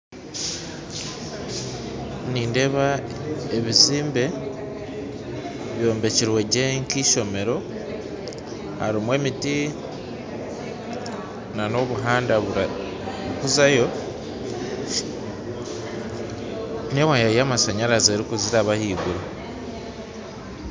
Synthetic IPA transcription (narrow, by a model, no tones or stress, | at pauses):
niːnde̞βaeβiziːmbe̞ | βjo̞ːmbe̞ciɾwe̞ɟeŋkiʃo̞me̞ɾo̞ | ha̰ɾimwe̞ːmiti | nano̞βuɦaːnda | ukuzajo̞ | newajajaːmasaɲaɾazeɾikuziɾaβahiːɡuɾa